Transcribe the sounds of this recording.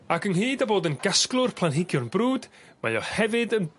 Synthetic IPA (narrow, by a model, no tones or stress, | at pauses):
akʰənhiːdaboːdənɡasklˠʊrpʰlˠanɦɪɡjʊnbruːd̥ | ma̰jɔhɛvɨdən